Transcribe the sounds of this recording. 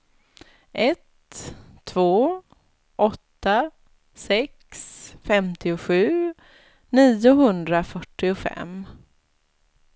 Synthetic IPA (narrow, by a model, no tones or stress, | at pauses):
ʔɛt̪ʰː | voː | ʔɔt̪ːa | sɛksfɛmt̪ɪʊɧʉ̟ː | niːʊɦɵnd̪ɾafœʈːɪʊfɛ̰m